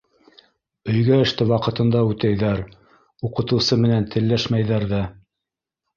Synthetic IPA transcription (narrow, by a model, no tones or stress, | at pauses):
ɵ̆jɡæɘ̆ʃt̪ɘwɑqɤ̆t̪ɤ̆nd̪ɑʉt̪æjðæɾ | uqɤ̆t̪ɤ̆wsɤmɘ̆nænt̪ʰɘ̆lːæʃmæjðæɾðæ